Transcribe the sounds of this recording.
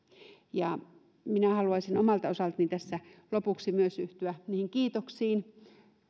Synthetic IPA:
jɑ | minæhɑluɑisinomɑlt̪osɑlt̪nint̪æsːælopuksimyøsyht̪yæniːhiŋkiːt̪oksiːn

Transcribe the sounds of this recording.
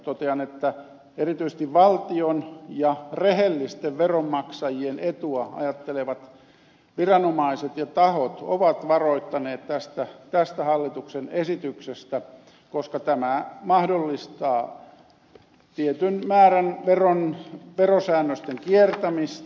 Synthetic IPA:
t̪ot̪eɑnet̪ːæ | erit̪yise̥s̆t̪iʋʋɑlt̪ionjɑrehelːist̪eʋʋeromːɑksɑjienet̪uɑɑ̰jɑt̪ːeleʋɑt̪ | ʋirɑnomɑiset̪jɑt̪ɑhot̪o̰ʋɑt̪ʋɑroit̪ːɑneːt̪t̪æst̪æt̪æst̪æhɑlːit̪uksenesit̪yksest̪æ | koskɑt̪æmæmɑhdolːist̪ɑː | t̪iet̪ynmæːrænʋeronʋerosæːnːøst̪eŋkiert̪æmist̪

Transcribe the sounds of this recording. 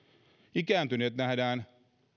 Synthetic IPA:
ikæːnt̪yneːt̪næhdæːn

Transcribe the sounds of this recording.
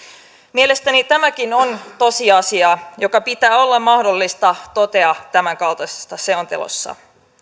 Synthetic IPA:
mie̞le̞st̪ænit̪æmækino̞nt̪o̞siɑsiɑjo̞kɑpit̪æːo̞lːɑmmɑhdo̞lːist̪ɑt̪o̞t̪e̞ɑt̪æmæŋkɑlt̪ɑse̥st̪ɑse̞o̞nt̪e̞lo̰sːɑ̰

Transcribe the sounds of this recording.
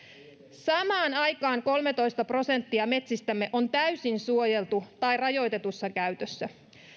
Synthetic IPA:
sɑmɑːnɑjkɑːŋko̞lme̞t̪o̞jst̪ɑpro̞se̞nt̪ːiɑme̞t̪sist̪æmːe̞ʔo̞nt̪æysinsuo̞je̞lt̪ut̪ɑjrɑjo̞jt̪e̞t̪usːɑkæɥt̪øsːæ

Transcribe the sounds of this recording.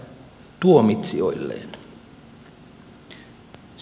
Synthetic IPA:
t̪uomit̪sio̰ilːḛːn

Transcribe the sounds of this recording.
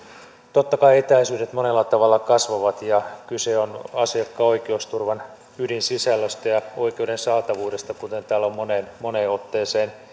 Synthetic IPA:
t̪ot̪ːɑkɑiet̪æisyːdet̪monelːɑt̪ɑʋɑlːɑkɑsʋoʋɑt̪jɑkyseonɑsiɑkːɑoikeost̪urʋɑn | ydinsisælːøst̪ɑjɑoikeudensɑːt̪ɑʋuːdest̪ɑkut̪e̞nt̪æːlommoneːnmoneːot̪ːeːseːn

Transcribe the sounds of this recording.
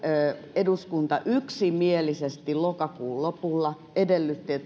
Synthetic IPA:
eduskunt̪ɑʔyksimielisest̪illokɑkuːllopulːɑ | edelːyt̪ːiet̪

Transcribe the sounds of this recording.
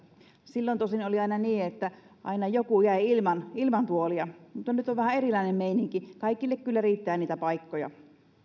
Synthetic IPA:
silːont̪osinoliɑinɑniːet̪ːæ | ʔɑ̰inɑjokujæiilmɑnilmɑnt̪uoliɑmut̪ːɑnyt̪oʋæhæerilɑˑinemmeiniŋkikɑikːˑilːekkylːæriːt̪ːæːniːt̪æpɑikːojɑ̰

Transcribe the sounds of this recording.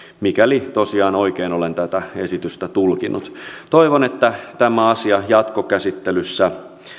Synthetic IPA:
mikælit̪osiɑːnoikeːnolent̪æt̪æesit̪yst̪æt̪ulkinːut̪t̪oiʋonet̪ːæt̪æmæɑsiɑjɑt̪kokæsit̪ːelysːæ

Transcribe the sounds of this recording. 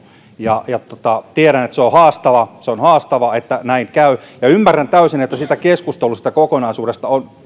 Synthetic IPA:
jɑjɑt̪ot̪ɑt̪ieɾænet̪seohɑːst̪ɑʋɑseonhɑːst̪ɑʋɑet̪ːænæiŋkæyjɑymːærːænt̪æysinet̪ːæsit̪ækeskust̪elusi̥t̪ækokonɑisuːɾest̪ɑon

